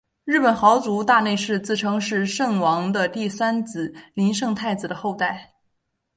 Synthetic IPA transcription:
ɻɻ̩˥˩pə˨˩nxɑ˧˥ʊt͡su˧˥t̪a˥˧ne˥˧ɪʂɻ̩˥˧t͡sɹ̩˥˩ʈ͡ʂʰɤ˧˥ŋʂɻ̩˥˧ʂɤ˥˩ŋwɑ˧˥ŋd̪ə˧t̪i˥˩sa˥nt͡sɹ̩˨˩li˧˥nʂɤ˥˧ŋt̪ʰa˥˩ɪt͡s̩˨˩d̪ə˩xo˥˧ʊt̪a˥˩ɪ

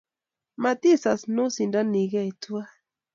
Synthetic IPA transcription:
ma˨ti˦˨sa˨sno˦si˨nda˦ni˨ɡa˦i˨tu˦a˦

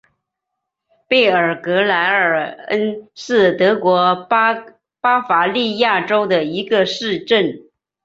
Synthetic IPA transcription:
pe˥˩ɪə˞˨˩kɤ˧˥la˧˥ɪə˞˨˩ə˥nʂɻ̩˥˩t̪ɤ˧˥kwɔ˧˥ | pa˥fa˧˥li˥˧ja˥˩ʈ͡ʂo˥ʊd̪ə˨i˧˥ɡə˧ʂɻ̩˥˧ʈ͡ʂə˥˩n

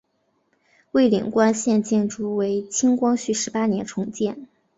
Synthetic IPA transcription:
we˥˩ɪlḭ˨˩ŋkwa˥nɕjɛ˥˧nt͡ɕjɛ˥˩nʈ͡ʂu˥˩we˧˥ɪt͡ɕʰi˥ŋkwɑ˥ŋɕy˥˩ʂɻ̩˧˥pa˥njɛ˧˥nʈ͡ʂʰʊ˧˥ŋt͡ɕjɛ˥˩n

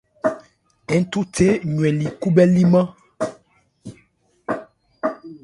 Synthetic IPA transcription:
ɛ˨˦tu˦te˦ɲwɛ̃˨li˨ku˦bɛ˦li˦mã˦

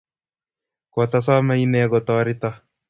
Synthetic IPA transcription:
kɔ˨t̪a˦s̬a˦ma˦i˦nɛɡɔ˨t̪aaɾɪ˦t̪a˦

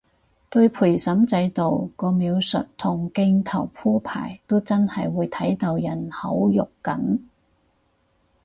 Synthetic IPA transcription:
t̪ɵ˧ɥpʰuː˨˩jsɐ˨˥mt͡sɐ˨˧jt̪o˨wkɔː˧miː˨˧wsɵ̰˨t̚t̪ʰʊ˨˩ŋkɪ˧ŋt̪ʰɐ˨˩wpʰuː˥pʰa̰ː˨˩jt̪o˥wt͡sɐ˥nhɐ˨jwuː˨˧jt̪ʰɐ˨˥jt̪ɐ˨˧wjɐ˨˩nhɐ˨˥wjʊ˨kkːɐ̰˨˥n

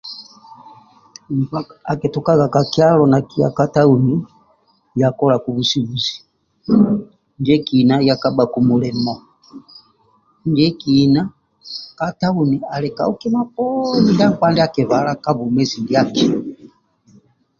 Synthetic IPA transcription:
m̩˨pa˦kaa˨kɛ˨tu˨ka˦ɣa˨ka˨ki˦a˦lɔ˨na˨ki˦a̰˨ka˦ta˦u˨ni˦ | ja˨kɔ˦la˨ku˨βu˨si˦βu˨si̥˨ | nd͡ʒɛ˦ki˨na˦ja˨ka˦ba˨ku˨mu˨lɛ˨mɔ˨ | nd͡ʒɛ˦ki˨na˦ | ka˦ta˦u˨ni˨a˨lɛ˨ka̰˨u˦kɛ˦ma˦p̚ɔni˦da˦ŋkwa˦ndɛ˦a˦kɛ˨βa˨la˦ka˦βu˨mɛ˦zi˨ndja˦ki˨

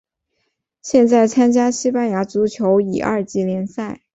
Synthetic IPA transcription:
ɕjɛ˥˧nt͡sa˥˩ɪt͡sʰa˥nt͡ɕja˥ɕi˥pa˥nja˧˥t͡su˧˥t͡ɕʰjo˧˥ʊḭ˨˩ʔɐ̰˥˧t͡ɕi˥˩ljɛ˧˥nsa˥˩ɪ

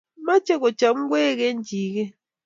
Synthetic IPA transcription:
ma˦t͡ʃɛ˦kɔ̥˨d͡ʒ̥ʱa˨ŋ̩˦k̬wɛ˦k̬e˦nd͡ʒʱiː˨k̬ɛ˦

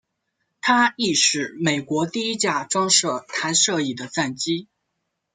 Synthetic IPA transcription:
t̪ʰa˥i˥˩ʂɻ̩˨˩me˨˩ɪkwɔ˧˥t̪i˥˩i˥t͡ɕja˥˩ʈ͡ʂwɑ˥ŋʂɤ˥˩t̪ʰa˧˥nʂɤ˥˧i˨˩d̪ə˦t͡sa˥˩nt͡ɕi˥

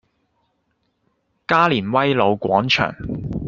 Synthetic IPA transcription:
kaː˥liː˨˩nwɐ˥jlo˨˧wkʷɔ̰ː˨˥ŋt͡ʃʰœ̰ː˨˩ŋ

